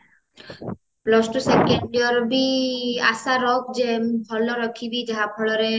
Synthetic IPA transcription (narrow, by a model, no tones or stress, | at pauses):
plɔsʈɔsekeɳɖiɔɾbia̰saɾɔkd͡ʒebʱɔlɔɾɔkʰibid͡ʒaɦabʰɔɭɔɾe